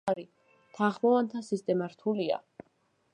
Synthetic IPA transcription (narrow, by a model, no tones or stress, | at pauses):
aɾi | t̪ʰaχmɔvant̪ʰasist̪ʼɛmaɾt̪ʰulia̰